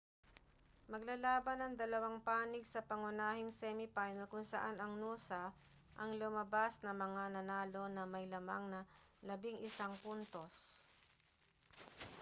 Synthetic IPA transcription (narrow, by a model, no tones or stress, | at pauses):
mɐɡ̚lalaːbɐnɐŋd̪ɐlɐwaŋpaːnɪɡsɐpɐŋʊnaːhɪŋsɛmɪpajnɛlkʊŋsɐʔanɐŋnuːsɐ | ʔɐŋlʊmɐbasnɐmɐŋanɐnaːlo̞nɐmɐjlɐmaŋnɐ | lɐbɪŋʔɪsaŋpunt̪os